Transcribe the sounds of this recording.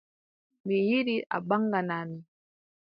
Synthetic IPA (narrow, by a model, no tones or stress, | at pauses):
mijiɾiʔa̰baŋɡanami